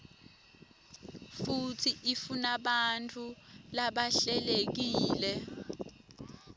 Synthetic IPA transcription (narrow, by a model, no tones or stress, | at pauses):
futʰiʔifunaɓantʰʼulaɓaɬɛlek̬iːlɛ